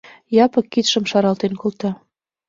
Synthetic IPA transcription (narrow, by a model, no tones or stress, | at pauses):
jɑpɤ̆kːit̪ʃə̆mʃɑɾɑlt̪enkolt̪ɑ